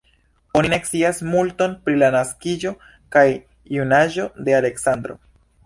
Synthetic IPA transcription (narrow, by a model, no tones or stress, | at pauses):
o̞nine̞ksiasmulto̞npɾilanaskid͡ʒo̞ | kaj | junaʒo̞de̞ale̞ksand̪ɾo̞̰